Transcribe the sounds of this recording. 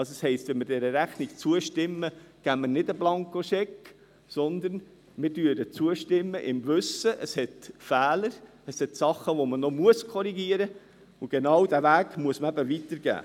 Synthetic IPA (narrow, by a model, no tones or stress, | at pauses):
ɑsəshɛɪst̪ʋɛnmɪɾdɛɾəɾæχnikt͡suəʃtɪmːəɡ̥æmənɪdəblɑŋkoʃɛk | sɔnd̪ən | mɪɾdyːədət͡suəʃtɪmːəʔɪmvɵsəʔəshɛt̪fæːləɾ | əshɛt̪sɑχːəʋomənɔmuəskʰɔɾiɡiəɾə | ʊɡ̥enɑwd̥̪ævæːɡmuəsməæbəʋit̪əɾɡ̥æ̰ː